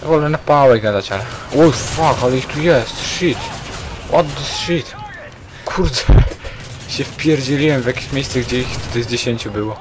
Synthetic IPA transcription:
vɔlɛnapːawɛjɡad̪at͡ɕalɛwɛjfakalixt̪ujɛst̪ʃit̪wʔɔt̪d̪ɪsʃit̪ | kʰuɾd̪ɛ | ɕɛfpʲjɛɾd͡ʑɛlʲiwɛmvʲjakʲeɕmʲɛjst̪sɛɡd͡ʑɛixt̪ut̪ɛzd͡ʑeɕɛɲʲt͡ɕubɘwɔ

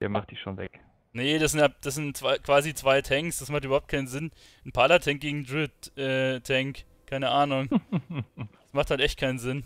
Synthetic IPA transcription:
dḛːɐmaχtd̥iːʃoːnvɛ̰k | nəd̥as̬ɪnad̥as̬zɪntt͡sv̥aɪkv̥aːzit͡sv̥aɪtʰɛŋksd̥asmaχtyːbɐhʊp̚tkʰaɪnnzɪn | n̩pʰaːlɐtʰɛŋk̚ɡ̥eːɡŋ̩dʁɪtʔɛːtʰɛŋk | kʰaɪnəʔaːnʊŋ | d̥asmaχthaltʔɛçt̚kʰaɪnənzɪn

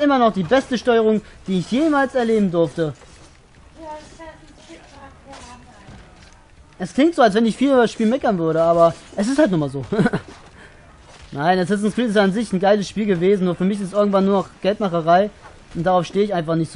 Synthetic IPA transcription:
ʔɪmɐnɔχd̥iːbɛstəʃtɔʏəʁ̞ʊŋd̥iːɪçjeːmaːlsɛɐleːbm̩dʊɐftə | ʔɛskl̥ɪŋtz̥oːalsv̥ɛnɪçfiːldasʃpiːlmɛkɐnvʏɐɾəaːbɐʔɛs̬ɪsthaltnuɐmaːlzoː | naɪnɛs̬ɪstnsfiːlɪsjaːnzɪçn̩ɡaɪləsʃpiːlɡəveːzn̩nuːɐfyːɐmɪç̬ɪstʔɪɐɡŋ̩tvanːuːɐnɔχɡ̥ɛltmaχəʁaɪ | ʔʊnt̚d̥aʁaʊfʃteːəɪçaɪnfaχnɪçtz̥o

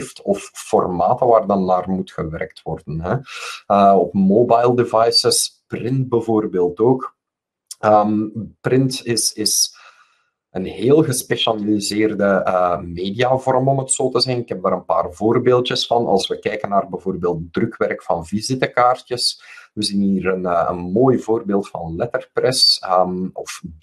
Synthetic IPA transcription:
ftʰɔfːɔrmaːtəʋaːrdɑnːaːrmutxəʋɛ̰rk̚twɔrdənɦɛəɔpmoːbajlˠdevɑjsəsprɪnt̚bəvoːrbeːlˠtoːk | əːmprɪntɪsɪs | ənɦeːlˠɣəspɛʃalilizeːrdəəmeːdiaːvɔrmɔmətsoːtəzɛnɪkɦɛp̚daːɾənpa̰ːrvoːrbeːlˠtjəsfɑnʔɑ̰lˠsʋəkɛjkənaːrbɛvoːrbeːlˠt̚drɵkʋɛrkfɑnvizɪtəkaːrtjəsʋəziniːrənəːə̰nmoːjvoːrbeːlˠtfɑ̰nlɛtərprɛsəmɔf

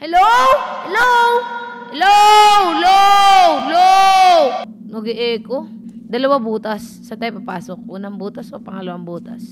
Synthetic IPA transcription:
hɛlowhɛlowhɛlowlowlow | mɐɡɛʔɛːko | d̪ɐlɐwabuːt̪ɐsːɐt̪ɐjpɐpaːsok̚ʔuːnɐŋbuːt̪ɐsʔopɐŋɐlɐwaŋbuːt̪ɐs

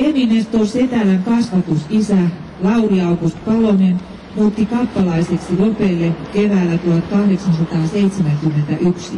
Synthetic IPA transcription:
eninest̪oset̪ælæŋkɑsʋɑt̪usisælɑuriɑukust̪pɑlonen | muːt̪ːikɑpːɑlɑiseksilopelːekeʋæːlːæt̪uhɑt̪kɑhɾeksɑnsɑt̪ɑːseit̪semæŋkymːent̪æʔyksi

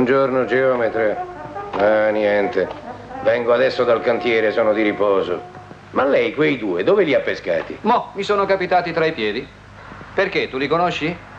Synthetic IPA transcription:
und͡ʒornod͡ʒeɔmet̪ɾe | anjɛnt̪e | vɛŋɡoad̪ɛsːod̪alkant̪jɛːɾesɔːnod̪iɾipɔːzo | malːɛjkwejd̪uːed̪oːveliapːeska̰ːt̪ḭmɔmisoːnokapit̪aːt̪it̪ɾaipjɛːd̪i | perk̟et̪ːulikonoʃːi

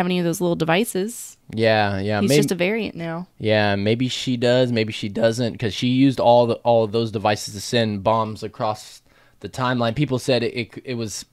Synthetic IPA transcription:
ɨvɛ̃niʌvðoʊzlɪɾl̩ˠdɨvaɪsɪz̥jæjæizmd͡ʒʌtɨvɛɹiɨ̰̃nnaʊjæmeɪbiʃidʌzmeɪbiʃidʌzɨ̃ntkʰʌz̥ʃijʉzdɔlˠɔlˠʌvðoʊzdɨvaɪsɨz̥tʰɨsɛ̃nbɑ̃mzɨkʰɹ̥ɔs | ðɨtʰãɪ̃mlãɪ̃npipl̩ˠsɛɾɪʔɪt̚kɪt̚wʌz̥

